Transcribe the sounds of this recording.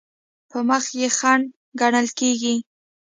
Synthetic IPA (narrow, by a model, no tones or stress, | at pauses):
pəməxjexaɳ | ɡaɳəlkeɡi